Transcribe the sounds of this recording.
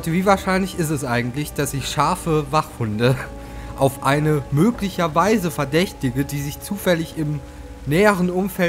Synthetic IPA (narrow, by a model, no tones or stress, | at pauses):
təviːvaːɐʃaɪnlɪçɪstɛsʔaɪɡŋ̩tlɪçd̥asɪçʃaɐfəvaχhʊndə | ʔaʊfʔa̰ɪnəmøːklɪçɐvaɪzəfɛɐdɛçtɪɡədiːzɪçt͡suːfɛlɪçɪm | nɛːəʁ̞ənʔʊmfɛl